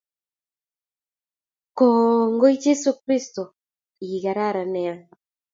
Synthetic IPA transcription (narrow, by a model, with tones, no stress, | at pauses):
ko˨ŋɡo˦i˦d͡ʒe˦su˦kɾi˦st̪o˨ | i˨ɣa˨ɾa˦˨ɾa˨ne˨a˨